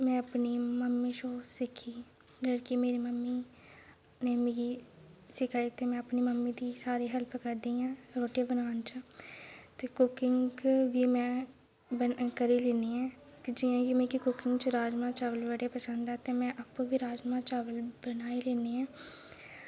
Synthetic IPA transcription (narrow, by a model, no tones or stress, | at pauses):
mɛ̃ːəpniːməmːiːʃoːsɪkʰːiː | d͡ʒəɽkɪmeːɾiːməmːiː | neːmɪɡiːsɪkʰaːiːt̪eːmɛ̃ːəpniːməmːiːd̪iːsaːɾiːɦəlpkəɾd̪iːãːɾoːʈijeːbənaːnt͡ʃ | t̪eːkʊkɪŋʋiːmɛ̃ː | bəkəɾiːleːniːɛ̃ː | kd͡ʒɪjãːkɪmẽkɪkʊkɪŋɡt͡ʃɾaːd͡ʒmãːt͡ʃaːʋəlʋəɽeːpəsənd̪ɛːt̪eːmɛ̃ːʔapũːʋiːɾaːd͡ʒmãːt͡ʃaːʋəlbənaːiːleːniːãː